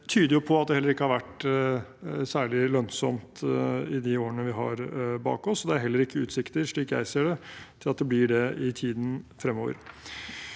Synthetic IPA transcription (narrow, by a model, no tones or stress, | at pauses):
t̪ʰyːd̪əɾjʊpʰɔɑt̪̚d̪ɛhɛlːəɾɪkːəhɑɾʋæʈ | sæːɭɪlœnsɔmt̪ɪd̪ɪoːɾənəʋɪɦɑ̰ɾbɑ̰ːkɔsːɔd̪ɛæɾɦɛlːəɾɪkːəʉːt̪sɪkt̪əɾʂɭiːkjæ̰ɪseːɖɛt̪ʰɪlɑt̪̚d̪ɛblɪɖɛɪt̪ʰiːd̪n̩fɾɛmːoːʋə̰ɾ